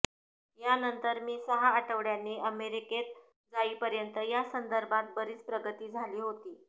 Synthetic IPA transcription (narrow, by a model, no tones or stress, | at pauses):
janənt̪əɾmiːsəɦaːʈəʋɽjanːiːəmeɾiket̪̚ | d͡zaiːpəɾjənt̪əjasənd̪əɾbʱat̪̚bəɾiːt͡spɾəɡət̪iːd͡zʱaliːɦot̪iː